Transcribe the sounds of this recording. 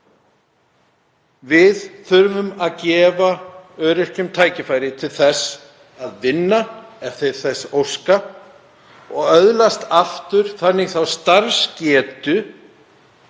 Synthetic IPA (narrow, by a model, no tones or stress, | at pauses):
vɪðθʏɾvʏmaðcɛːvaœːɾɪr̥cʏmt̪ʰaːjcɪfaːjɾɪt̪ʰɪlθɛs | aðvɪnːaɛfθɪɾ̥θɛsowska | ɔɣœðlast̪aft̪ʏɾ̥θanːɪɣθawst̪aɾscɛːt̪ʏ